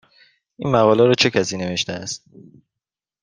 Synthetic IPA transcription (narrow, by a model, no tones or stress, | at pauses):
ʔiːnmæɣɒːlæɾɒːt͡ʃʰe̞cʰæsiːne̞ve̞ʃt̪eæ̰st̪̚